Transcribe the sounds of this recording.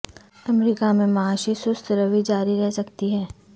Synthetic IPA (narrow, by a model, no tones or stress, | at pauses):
ɐmɾiːkamẽmɐaːʃisʊst̪ɾəʋid͡ʒaːɾiɾɛɦsɐkt̪iɦɛː